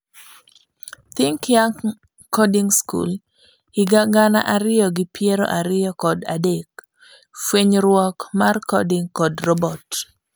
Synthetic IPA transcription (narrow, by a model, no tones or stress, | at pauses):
t̪ɪŋkja | kɔdiŋskṵl | ɪɡaɡana̰ʔaɾɪjɔɡɪpjeɾo̰ʔaɾɪjɔkɔda̰dek | fweɲɾwɔkmarkɔdɪŋkɔdrɔbɔt